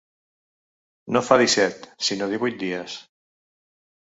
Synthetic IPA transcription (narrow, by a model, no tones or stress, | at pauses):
nofaðisɛt̪sinoðiβujt̪̚d̪iəs